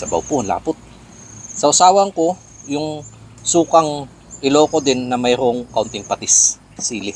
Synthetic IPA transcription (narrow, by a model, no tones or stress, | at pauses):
sɐbɐ̰wpuɐnla̰ːpʊt̪̚ | sɐʔʊsaːwɐŋko̞ | jʊŋ | suːkɐŋ | ʔɪloːkod̪ɪnːɐmɐjɾoʔoŋkɐʔʊnt̪ɪŋpɐt̪ɪsː | iːlɪ